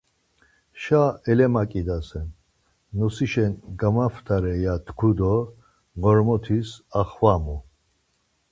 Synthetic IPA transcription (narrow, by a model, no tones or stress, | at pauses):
ʃaɛlɛmakʼid̪asɛn | nɔsiʃɛnɡamaft̪ʰaɾɛjat̪ʰkʰud̪ɔ | ɡɔɾmɔt̪ʰisaχwamɔ